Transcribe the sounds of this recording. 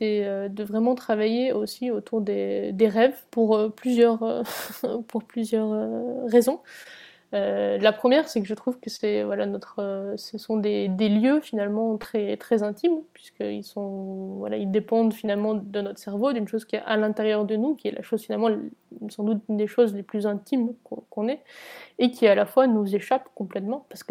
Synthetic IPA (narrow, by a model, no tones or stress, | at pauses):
sɛød̪əvʁɛmɑ̃t̪χavajeosiot̪ʰuʁd̪ed̪eʁɛvpuʁøplyzjœʁøpuʁplyzjœʁøːezɔ̃ | ølapχəmjɛʁsɛkəʒət̪χuvkəsɛvwalanɔt̪χøsəsɔ̃d̪ed̪eljøfinalmɑ̃t̪χɛt̪χɛzɛ̃t̪impɥiskə̰ḭlsɔ̃vwa̰la̰ild̪epɑ̃d̪finalmɑ̃d̪ənɔt̪χəsɛʁvod̪ynʃozkʲiɛalɛ̃t̪eʁjœʁd̪ənukʲiɛlʔa̰ʃozfinalmɑ̃sɑ̃d̪ut̪yd̪eʃozleplyzɛ̃t̪imkɔ̃kɔ̃nɛekʲʰialafwanuzeʃapkɔ̃plɛt̪mɑ̃paʁsə̥kə